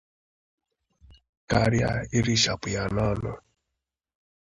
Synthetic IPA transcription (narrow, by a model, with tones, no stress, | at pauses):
ka˨ɾja̰˦˨ɪ˦ɾi˦ʃa˨pʊ˨ja˨nɔ˦nʊ˦